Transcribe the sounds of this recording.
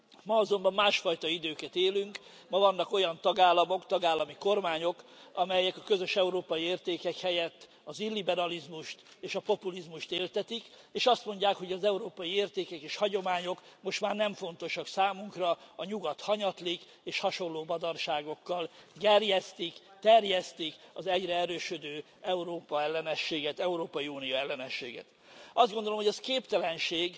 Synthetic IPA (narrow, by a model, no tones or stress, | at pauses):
mɒɒzo̞mbɒmːaːʃfɒjt̪ɒid̪øːkɛt̪eːlyŋk | mɒvɒn̪ːɒko̞jɒnt̪ɒɡaːlːɒmo̞kt̪ɒɡaːlːɒmiko̞rmaːɲo̞kɒmɛjɛkɒkø̞zø̞ʃɛuɾoːpɒjieːrt̪eːkɛkhɛjɛt̪ː | ɒzilːibɛɾɒlizmuʃt̪eːʃɒpo̞pulizmuʃt̪eːlt̪ɛt̪ik | eːʃɒst̪mo̞ɲɟaːkho̞ɟɒzɛuɾoːpɒjieːrt̪eːkɛkeːʃhɒɟo̞maːɲo̞kmo̞ʃt̪maːrnɛɱfo̞nt̪o̞ʃɒksaːmuŋkrɒɒɲuɡɒt̪hɒɲɒt̪lik | eːʃhɒʃo̞lːoːbɒd̪ɒrʃaːɡo̞kːɒlɡɛrjɛst̪ik | t̪ɛrjɛst̪ikɒzɛɟrɛɛɾøːʃød̪øː | ɛuɾoːpɒɛlːɛnɛʃːeːɡɛt̪ɛuɾoːpɒjiuːnijoɛlːɛnɛʃːḛːɡɛ̰t̪ | ɒzd̪ɡond̪olo̞mɦojɛskeːpt̪ɛlɛnʃeːɡ